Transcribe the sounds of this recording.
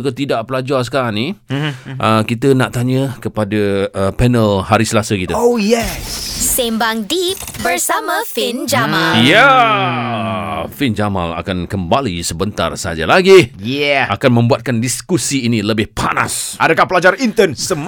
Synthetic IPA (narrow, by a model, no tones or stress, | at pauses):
kət̪idaʔpəlad͡ʒarsə̥kaɾaŋni | ʔəkit̪̬ənaʔt̪aɲəkəpadaəpɛnəlhaɾisəlasəkit̪əojɛsembaŋdip̚bərsamãfind͡ʒamalja | find͡ʒama̰la̰kankəmbalisəbənt̪a̰rsad͡ʒa̰laɡijɛakanmə̃mbuat̪̚kandiskusiːniləbɪhpʰa̰na̰sʔadakahpəlad͡ʒarint̪ənsəm